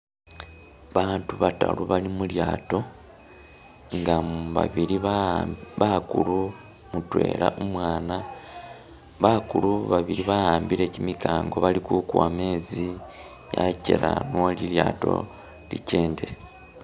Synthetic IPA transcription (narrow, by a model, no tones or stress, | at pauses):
βaːntuβata̰luβalimuljaːto̞ | ŋɡaβa̰βiɾi | βakulu | mutwe̞̰ːla̰ʔumwaːna | βakuluβaβiɾiβahaːmbiɾe̞cimikaːŋɡo̞βalikukwame̞ːzi | ja̰cḛɾanoliljaːto̞̰ | lḭce̞ːnde̞